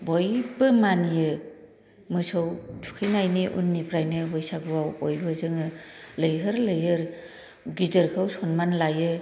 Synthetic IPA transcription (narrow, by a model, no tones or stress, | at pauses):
bɔjbɯmanijɯ | mɯsɯwtʰu̥kʰɯjnajniʔṵnːipʰɾajnɯbɔjsaɡuwawɔjbɯzɯŋɯlɯjɦɯɾlɯjɦɯɾ | ɡidəɾkʰɯwsɔnmanlajɯ